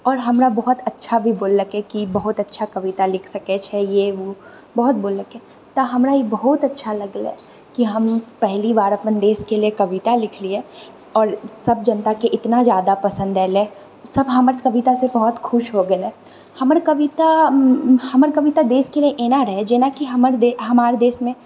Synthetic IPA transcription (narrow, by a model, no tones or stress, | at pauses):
ɔːɾɦɐmɾabɐɦʊt̪ɐtːʃʰabʱibʊːlːəkekibɐɦʊt̪ɐtːʃʰakɐʋɪt̪alɪkʰsɐket͡ʃʰɛjeʋo | bɔɦʊt̪̚boːlːəkẽ | t̪aɦɐmɾajebɐɦʊt̪ɐtːʃʰalɐɡlḛ | kiɦɐmpɛɦlibaːɾɐpənd̪eːskeliekɐʋɪt̪alɪkʰlie | ɔːɾsɐb̚d͡ʒɐ̃nt̪akeʔɪt̪nazjaːd̪apɐsə̃nd̪ɾɛːle | sɐbɦɐməɾt̪kɐʋɪt̪asebɐɦʊt̪xʰʊʃɦoɡɐɛ | hɐməɾkɐʋɪt̪a | hɐməɾkɐʋɪt̪ad̪eːskelieʔeːnaɾɐɦed͡ʒeːnakiɦɐməɾd̪eːɦɐmaːɾed̪eːsmẽ